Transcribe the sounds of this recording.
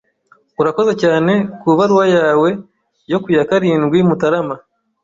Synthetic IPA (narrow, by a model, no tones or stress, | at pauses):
uɾako̞ze̞caːne̞kuβaɾwajaːwe̞ | jo̞kujakaɾiːnɡwimutaɾama